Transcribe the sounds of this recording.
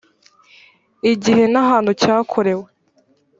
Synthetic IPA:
iɟiɦe̞nahaːnhucaːkʰo̞ɾe̞we

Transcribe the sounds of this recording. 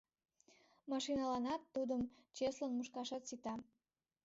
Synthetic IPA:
mɑʃinɑlɑnɑt̪ːud̪əmt͡ɕeslənmuʃkɑʃɑt̪sit̪ɑm

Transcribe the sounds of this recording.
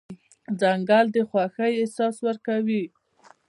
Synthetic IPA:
d͡zaŋɡald̪əxwaxəjesɑswəɾkawi

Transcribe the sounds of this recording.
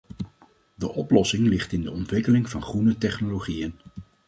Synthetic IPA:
dəʔɔplɔsɪŋlɪχtɪndəɔntʋɪkəlɪŋvɑnχrunətɛχnoloχijən

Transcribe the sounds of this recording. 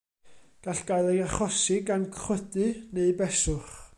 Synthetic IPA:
ɡ̥aɬɡ̥aɨlˠɛaχɔsɪɡankχwədɨneɨbɛsʊχ

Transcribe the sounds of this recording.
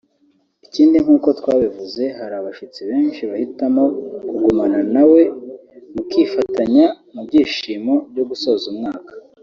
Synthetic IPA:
iciːndiŋhuːko̞twaːβivuze̞haɾaβaʃit͡siβe̞ːnʃiβahitamo̞kuɡumananawe̞mukiːfataɲa | mub̚ɟiːʃiːmo̞bɟo̞ɡusoːzumŋaːkḁ

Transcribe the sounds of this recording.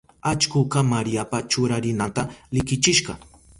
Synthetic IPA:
at͡ʃkʊkɑmaɾijapat͡ʃʊɾaɾɪnant̪alɪkɪt͡ʃɪʃɢɑ̰

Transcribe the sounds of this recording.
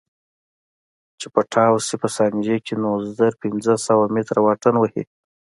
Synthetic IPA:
t͡ʃepəʈʰɑwsipəsɑnd͡ʒekʰenozd̪əɾpɪnd͡zəsawamet̪ɾawɑʈənwəhḭ

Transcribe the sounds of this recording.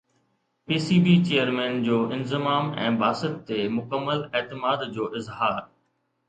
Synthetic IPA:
piːsiːbiːt͡ɕeːjəɾmɛ̃ːnd͡ʑoːʔɪ̃nzɪmaːmɛ̰̃ːbaːsɪt̪ːemʊkəmːəleːt̪ɪmaːd̪d͡ʑoːʔɪzɦaːɾ

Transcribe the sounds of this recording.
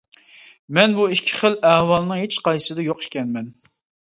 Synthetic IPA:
mɛnbuikʲʰːɪ̥χəlɛhwɑlˠnɨŋɦet͡ʃqɑjsɨd̪ɛjoqiʃkʲɛnmɛn

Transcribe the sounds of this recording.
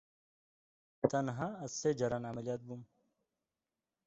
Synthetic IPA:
t̪ɐnɦãɐsed͡ʑɐɾanamɐlijaːt̪̚bum

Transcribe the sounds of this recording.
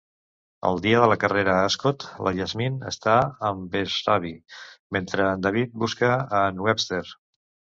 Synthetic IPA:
ə̰lˠd̪iəðələkəreɾəəskot̪lə̰ʎəzminə̰st̪aəmbezraβiment̪ɾənd̪aβ̞it̪̚buskəːnwɛpst̪eɾ

